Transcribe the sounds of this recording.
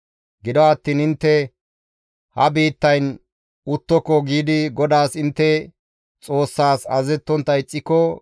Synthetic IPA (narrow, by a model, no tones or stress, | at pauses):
ɡɪd̪ɔat̪ːiːnɪnt̪ːɛ | hɐbiːt̪ːɐjn | ʊt̪ːɔkːɔɡiːd̪ɪɡɔd̪aːsɪnt̪ːɛ | t͡sʼo̞ːsːaːsɐzɛt̪ːɔnt̪ːɐɪt͡sʼːɪkːɔ